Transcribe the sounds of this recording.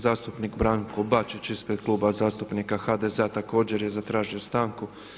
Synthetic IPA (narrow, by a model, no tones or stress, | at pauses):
zaːst̪upnikbɾaːŋkobat͡ʃit͡ɕispɾe̥klˠuːbazaːst̪upnikaxad̪ezeat̪ako̞ːd͡ʑe̞ɾje̞zat̪ɾaːʒiost̪aːŋku